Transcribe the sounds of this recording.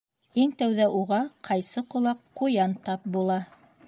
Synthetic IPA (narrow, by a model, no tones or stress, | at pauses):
iŋt̪æwðæʔuʁɑqʰɑjsɤqŏlˠɑqːujɑnt̪ɑp̚bulˠɑ